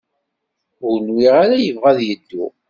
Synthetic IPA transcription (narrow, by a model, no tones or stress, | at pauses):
ʊɾnwiʁaɾajəvʁæðjəd̪ːu